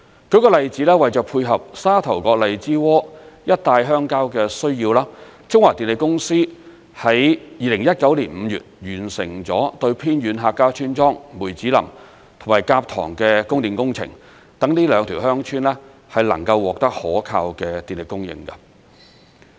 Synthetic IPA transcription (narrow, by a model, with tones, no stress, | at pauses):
kɵ˨˥kɔː˧lɐ˨jt͡siː˨˥lɛː˥wɐ˨jt͡ʃœː˨˧k̚pʰuː˧jɦɐ˨p̚saː˥t̪ʰɐ˨˩wkɔː˧k̚lɐ˨jt͡siː˥wɔː˥jɐ˥t̚t̪aː˧jɦœː˥ŋkaː˥wkɛː˧sɵ˥ɥjiː˧wlaː˥ | t͡sʊ˥ŋwaː˨˩t̪iː˨nle˨kʊ˥ŋsiː˥ | hɐ˨˥jjiː˨˧lɪ˨˩ŋjɐ˥t̚kɐ˨˥wliː˨˩nm̩˨˧jy̰ː˨˩t̚jyː˨˩nsɪ˨˩ŋt͡sɔː˨˥t̪ɵ˧ɥpʰiː˥njyː˨˥nɦaː˧kːaː˥wt͡ʃʰyː˥nt͡ʃɔː˥ŋmuː˨˩jt͡siː˨˥lɐ̰˨˩m | t̪ʰʊ˨˩maː˨˩jkaː˧p̚t̪ʰɔ̰ː˨˩ŋkɛː˧kʊ˥ŋt̪iː˨˩nkʊ˥ŋt͡sʰɪ̰˨˩ŋ | t̪ɐ˨˥ŋniː˥lœː˨˧ŋt̪ʰi˨˩wɦhœː˥ŋt͡ʃʰyː˥nlɛ˥ | hɐ˨jlɐ˨˩ŋkɐ˧wːɔː˨k̚t̪ɐ˥k̚hɔ̰ː˨˥kʰaː˧wkɛː˧t̪iː˨nle˨kʊ˥ŋjɪ̰˧ŋkɐ̰˧